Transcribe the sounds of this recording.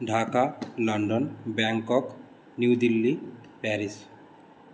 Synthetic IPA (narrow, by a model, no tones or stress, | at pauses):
ɖʱakalɔɳɖɔnbaŋkɔk | nuwd̪ilːipɛɾis